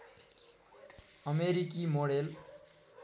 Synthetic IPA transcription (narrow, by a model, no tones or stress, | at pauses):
ʌmeɾikimoɽel